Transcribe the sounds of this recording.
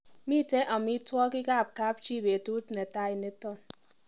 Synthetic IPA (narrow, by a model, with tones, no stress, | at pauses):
mi˦˨te˦ʔa˨mi˦twɔ˦ki˦ka˦˨p̚ka˦p̚t͡ʃi˦˨be˨tu˦tne˨ta˦i˨ne˦tɔ˦˨n